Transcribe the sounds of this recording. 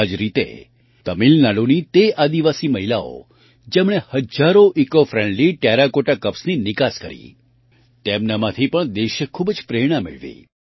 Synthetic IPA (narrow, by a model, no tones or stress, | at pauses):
ad͡ʒɾit̪ḛ | t̪əmilnalunit̪ead̪iʋasiməɦilao̰ | d͡ʒemɳ̃ehəd͡ʒaɾoʔikofɾɛ̃ɳɖliʈeɾakoʈakəpsninɪkaskəɾḭ | t̪emnamãt̪ʰipəɳd̪eʃjəkʰubd͡ʒpɾeɽ̃amɪ̰ɭʋḭ